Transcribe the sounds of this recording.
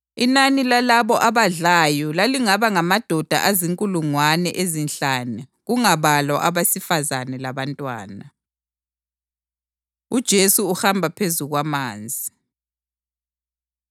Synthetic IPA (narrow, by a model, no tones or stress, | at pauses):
inanilalaβɔʔaβaɮajɔlaliŋaβaŋamad̥ʱɔd̥ʱa̰ʔaziŋkʼuluŋwanɛʔezinɬanɛɣuŋaβalwaʔaβasifazanɛlaβantʼwa̰ːna | ud̥ʒ̥ʱesuuxambʱapʰezuɣwamaːnd͡zʱi